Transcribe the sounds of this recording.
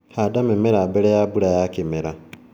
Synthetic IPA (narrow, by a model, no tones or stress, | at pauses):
hadamemeɾaːbeɾejabuɾajakimeɾa